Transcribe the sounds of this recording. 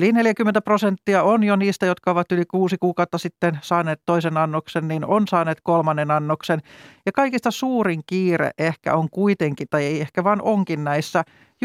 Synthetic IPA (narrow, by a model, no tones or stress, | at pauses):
lineljækymːent̪æprosent̪ːiɑonjoniːst̪æjot̪kɑoʋɑt̪ylikuːsikuːkɑut̪ːɑsit̪ːensɑːnˑeːt̪toisenɑnːoksenninonsɑːneːt̪kolmɑnːenɑnːoksenjɑkɑikist̪ɑsuːriŋkiːrḛʔʔehkæ̰oŋkuit̪eŋkit̪ɑieiehkæʋɑːnʔoŋkinnæisːæ | j